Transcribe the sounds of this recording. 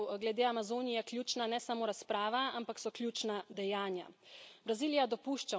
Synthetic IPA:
ɡlɛd̪eːamazoːnijɛklʲjuːt͡ʃnanɛsamoːɾaspɾaːʋaampaksɔklʲjuːt͡ʃnad̪ɛjaːnja̰bɾaziːlijad̪ɔpuːʃt͡ʃa

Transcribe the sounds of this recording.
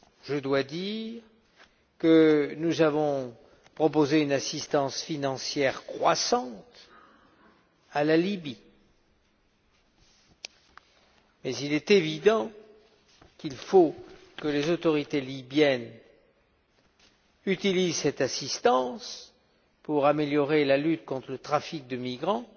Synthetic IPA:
ʒəd̪wad̪iʁ | kənuzavɔ̃ | pχɔpozeynasist̪ɑ̃sfinɑ̃sjɛʁkχwasɑ̃t̪ | alalibi | mɛzilɛt̪evid̪ɑ̃ | kilfokəlezot̪ɔʁit̪elibjɛn | yt̪ilizsɛt̪asist̪ɑ̃s | puʁameljɔʁelalyt̪kɔ̃t̪χələt̪χafik̚d̪əmiɡʁɑ̃

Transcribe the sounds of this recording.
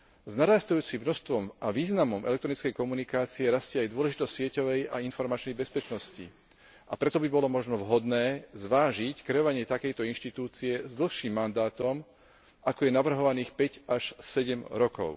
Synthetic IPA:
znaɾast̪ujuːt͡simnɔst̪ʋɔmʔaʋiːznamɔmʔɛ̰lɛkt̪ɾɔnit͡skɛjkɔmunikaːt͡siɛɾascɪɛajd̪ʊɔlɛʒit̪ɔscsɪɛcɔʋɛjainfɔɾmat͡ʃnɛjbɛspɛt͡ʃnɔscḭ | apɾɛt̪ɔbibɔlɔmɔʒnɔʋɦɔd̪nɛːzʋaːʒickɾɛɔʋaɲɪɛt̪akɛjt̪ɔinʃt̪it̪uːt͡siɛzd̪l̩ˠxʃiːmːand̪aːt̪ɔm | akɔjɛnaʋr̩ɦɔʋaniːxpɛɟaʃsɛɟɛmɾɔkɔ̰ʊ

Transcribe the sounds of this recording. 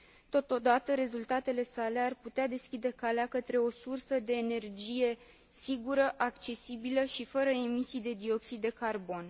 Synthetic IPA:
t̪o̞t̪o̞d̪at̪əɾe̞zult̪at̪e̞le̞sale̞arput̪ead̪e̞skʲid̪e̞kaleakət̪ɾe̞o̞sursəd̪e̞ːne̞rd͡ʒije̞ | siɡuɾəʔakt͡ʃe̞sibiləʃifəɾəemisijd̪e̞d̪io̞ksid̪ːe̞karbo̞n

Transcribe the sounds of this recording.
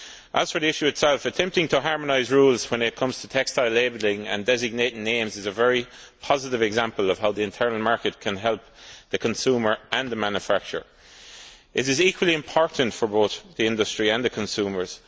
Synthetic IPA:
ʔəz̥fə˞ðiɪʃʉɨtsɛlˠfətʰɛ̃mp̚tɪ̃ŋtʰəɦɑɹmənaɪzɹuːlˠz̥wə̃nɪt̚kʰʌ̃mz̥tʰətʰɛkstaɪlːeɪblɪ̃ŋə̰̃ndɛzɪɡ̚neɪɾɪ̃ŋnẽɪ̃mzɪzəvɛɹi | pʰɑzɪɾɪvɨɡzãmpəlʌv̥ɦaʊðiɪ̃ntʰɜ˞nəl̩ˠmaɹkət̚kʰə̃nɦɛlˠp̚ðəkʰə̃nsuːmə˞ʔə̃nðəmãnjəfak̚t͡ʃə̰˞ | ʔɪɾɪzikʰwəliɪ̃mpʰɔɹʔn̩tfə˞boʊθðiɪ̃ndəstɹ̥iə̃nðəkʰə̃nsʉːmə˞z̥

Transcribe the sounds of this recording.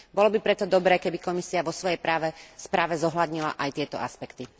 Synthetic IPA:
bɔlɔbipɾɛt̪ɔd̪ɔbɾɛːkɛbikɔmisiaʋɔsʋɔjɛjpɾaːʋɛspɾaːʋɛzɔɦlad̪ɲila̰ʔajt̪ɪɛt̪ɔ̰aspɛkt̪i

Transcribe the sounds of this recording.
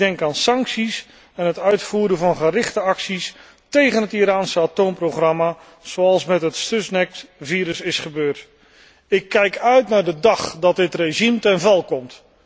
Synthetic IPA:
dɛŋkaːnsɑŋksis | ɛnɦətœɥtfuːɾəvɑnχərɪχtəɑksis | tejχənɦətiɾaːnsəatowmproχrɑma | z̥owɑlˠsmɛtɦətstøsnɛkviːɾəsɪsχəbøːrt | ɪkːɛjkœɥtnaːɹdədɑχdɑt̚dɪtreʒimtɛnvɛlˠkɔmt

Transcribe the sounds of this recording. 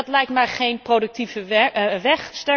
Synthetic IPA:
tlɛjktmaːɹχejnprodək̚tivəʋɛχstɛ

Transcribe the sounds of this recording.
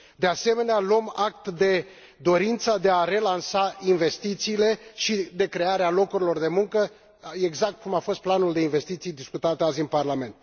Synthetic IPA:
d̪e̞ase̞me̞nealuəmak̚t̪d̪e̞ | d̪o̞ɾint̪sad̪e̞aɾe̞lansainve̞st̪it̪siːle̞ʃid̪e̞kɾe̞aɾealo̞kuɾilo̞rd̪e̞muŋkə | e̞ɡzak̚t̪̚kumafo̞st̪̚planuld̪e̞inve̞st̪it̪sijd̪iskut̪at̪eazʲɨnparlame̞nt̪̚

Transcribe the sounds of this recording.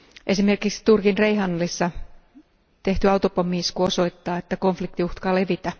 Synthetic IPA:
ʔe̞sime̞rkiksi̥t̪urkinreiɦɑnːɑlisːɑ | t̪e̞ht̪yɑwt̪opomiːskuoso̞it̪ːɑːet̪ːæko̞ɱflikt̪iuht̪kɑːle̞ʋit̪æ

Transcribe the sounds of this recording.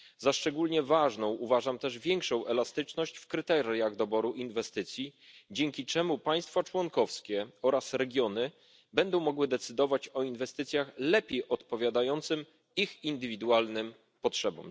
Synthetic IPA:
zaʂt͡ʂɛɡulɲɛvaʐnɔ̃w̃ʔuvaʐamt̪ɛʐvʲjɛŋkʂɔ̃w̃ʔɛlast̪ɘt͡ʂnɔɕt͡ɕfkɾɘt̪ɛɾʲjaɣd̪ɔbɔɾuʔinvɛst̪ɘt̪sʲjid͡ʑɛŋkʲit͡ʂɛmupaj̃st̪fat͡ʂwɔnkɔfskʲɛɔɾasɾɛɡʲjɔnɘ | bɛnd̪ɔ̃w̃mɔɡwɘd̪ɛt̪sɘd̪ɔvat͡ɕɔinvɛst̪ɘt̪sʲjaxlɛpʲjejʔɔt̪pɔvʲjad̪ajɔnt̪sɘm | ixind̪ɘvʲid̪ualnɘm | pɔtʂɛbɔ̰m

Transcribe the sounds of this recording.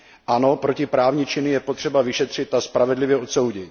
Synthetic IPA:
ʔano̞pɾo̞cɪpɾaːvɲɪt͡ʃɪnɪjɛpot̪r̥ɛbavɪʃɛt̪r̝̥ɪt̪aspɾavɛdlɪvjɛo̞t̪so̞wɟɪt̪

